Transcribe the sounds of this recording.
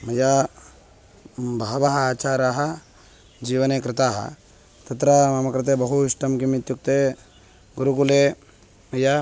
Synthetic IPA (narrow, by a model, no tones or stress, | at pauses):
mɐja | bɐɦɐʋɐɦɐaːt͡ʃaːɾaːɦɐ | d͡ʒiːʋɐnekɾɪt̪aːɦɐ̰ | t̪ɐt̪ɾɐmɐmɐkɾɪt̪ebɐɦuiʂʈɐmkimit̪juk̚t̪e | ɡuɾukule | mɐja